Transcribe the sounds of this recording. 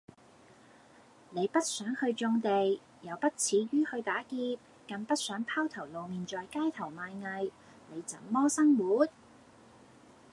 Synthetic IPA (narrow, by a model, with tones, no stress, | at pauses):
ne˨˧jpɐ˥t̚sœː˨˥ŋhɵ˧ɥt͡ʃʊ˧ŋt̪e˨j | jɐ˨˧wpɐ˥t̚t͡sʰiː˨˥ɥyː˥hɵ˧ɥt̪aː˨˥kiː˧p̚ | kɐ˨ŋpɐ˥t̚sœː˨˥ŋpʰaː˥wt̪ʰɐ˨˩wlo˨wmiː˨nt͡sɔː˨jkaː˥jt̪ʰɐ˨˩wmaː˨˧jŋɐ˨˧j | ne˨˧jt͡sɐ̰˨˥nmɔː˥sɐ˥ŋwuː˨˥t̪̚